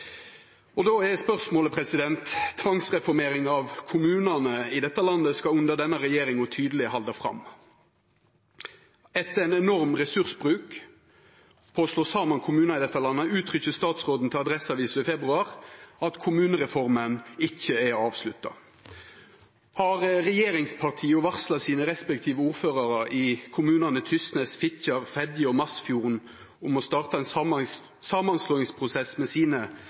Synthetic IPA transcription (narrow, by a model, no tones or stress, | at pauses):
ɔd̪oːɛdɛspœʁsmoːləpʰɾɛsɪd̪ɛnt̪t̪ʰːʋɑŋsʁɛfɔɾmeːɾɪŋɑʋkʰʊmʉːnɑnəɪd̪ɛt̪ːəlɑnd̪əskɑʉnd̪əʁd̪ɛnːəɾɛjeːɾɪŋɔt̪ʰyːd̪əl̩ɪhɑld̪ɑfɾɑ̰m | ɛt̪ːəɛnɛnɔɾmʁɛsʉʁsbʁʉːk | pʰoːsloːsɑːmɑnkʰʊmʉːnɑɪd̪ɛt̪ːɑlɑnːəʉːt̪ʰɾʏçəst̪ɑːt̪sʁoːd̪n̩t̪ʰɪlɑd̪ɾɛsɑʋiːsəɪfɛbʁʉɑɾɑt̪kʰʊmʉːnəʁɛfɔʁmənɪçːəɛɑːʋslʉt̪ːɑ̰ | hɑʁɾɛjeːɾɪŋspʰɑʁt̪ʰiːʊʋɑʁslɑsiːnəɾɛspɛk̚t̪ʰiːʋəuːʁføːʁɑʁɑʔɪkʰʊmʉːnɑnət̪ʰʏst̪nɛsfɪçɑʁfɛd̪jəɔmɑsfjuːʁn | ʊmɔst̪ɑːʁt̪ɑɛn | sɑːmɑnsloːɪŋspʰʁʊsɛsmɛsiːnə